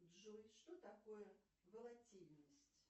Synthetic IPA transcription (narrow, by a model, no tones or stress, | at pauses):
d̪ʐojʂt̪ot̪akojə | vəlˠat͡sʲilʲnəsʲt͡sʲ